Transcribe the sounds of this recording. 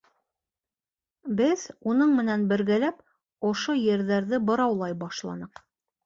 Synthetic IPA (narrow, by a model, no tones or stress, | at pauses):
bɘðunɤɴmɘ̆nænbɘ̆ɾɡælæp | ŏʃojɘ̆ɾðæɾðɘbɤ̆ɾɑwlˠɑjbɑʃlˠɑ̰nɤq